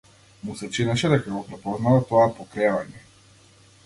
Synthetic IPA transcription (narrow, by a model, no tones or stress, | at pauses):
musɛt͡ʃinɛʃɛd̪ɛkaɡɔpɾɛpɔznavat̪ɔapɔkɾɛvaɲɛ